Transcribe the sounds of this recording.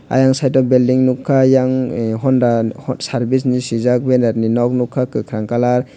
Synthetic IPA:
a̰jaŋsajtɔbeldiŋnukʰːajaŋɦɔnɾaɔsaɾbis̬nisizak̚benaɾninɔk̚nukʰːakɯkʰɾaŋkalaɾ

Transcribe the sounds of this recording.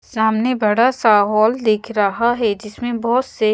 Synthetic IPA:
saːmnebɐɽasaːɦɔːld̪ɪkʰɾɐɦaɦɛd͡ʒɪsmẽbɔɦʊt̪se

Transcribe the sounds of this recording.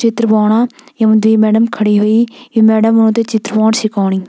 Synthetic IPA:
t͡ʃɪt̪ɾbɔːɳ̃aːjəmd̪iːmɛːɖəmkʰəɽiːɦoːiːiːmɛːɖəmːənõːt̪eːt͡ʃɪt̪ɾəbɔːɳsɪkoːɳiː

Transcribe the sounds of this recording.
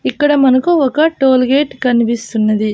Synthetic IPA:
ikːɐɽɐmɐnɐkuɔkɐʈo̞ːlɡeːʈkɐnipist̪unːɐd̪i

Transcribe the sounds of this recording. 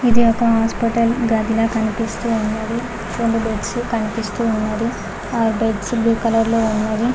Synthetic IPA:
id̪iɔkɐɦaːspiʈɐlɡaːd̪ilaːkɐnipist̪uːunːaːɾi | ɾeɳɖubeʈskɐnipist̪uːunːaːɾi | aːɾbeʈsbjuːkɐlɐɾloːunːaːɾi

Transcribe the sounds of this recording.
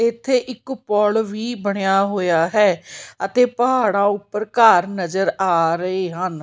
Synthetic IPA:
ɪt̪ʰːeːʔɪkpɔːlʋiːbəɽ̃ejaːɦoːjaːɦɛːət̪eːpəɦaːɽ̃ãːʊpːəɾkaːɾnəd͡ʒəɾaːɾəeːɦən

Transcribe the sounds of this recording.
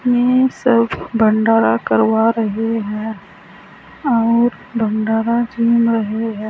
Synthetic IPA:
jesəbbəɳɖaːɾakɐɾwaɾəɦeɦɛ̃ː | ɔːɾ | bə̃ɳɖaːɾad͡ʒiːmɾɐɦeɦɛ̃ː

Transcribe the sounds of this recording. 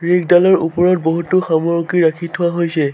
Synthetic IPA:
ɹik̚dalɔɹṵpɔɹɔtboɦutʊxamɔɹkiɹakʰitʰʊwaɦojsɛ

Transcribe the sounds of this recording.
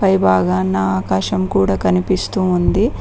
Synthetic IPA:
pɐjbaːɡaːnaaːkaːʃɐmkuːɽaːkɐnipist̪uːnd̪i

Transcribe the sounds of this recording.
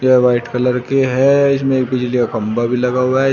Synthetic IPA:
jeʋaːɪʈkɐləɾkeɦɛɪs̬mẽeːk̚bid͡ʒlikakɐ̃mbabʱilɐɡaɦuaɦɛ

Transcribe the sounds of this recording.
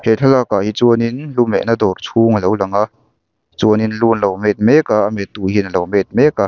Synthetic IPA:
hɛɬʰalaːkaʔɦit͡suəninlumɛ̰ʔnad̪ɔrt͡sʰuŋəlowlaŋaʔ | t͡suəninluːnlowmɛt̪̚mɛkaʔamɛt̪ːuhinəlowmɛt̪̚mɛkaʔ

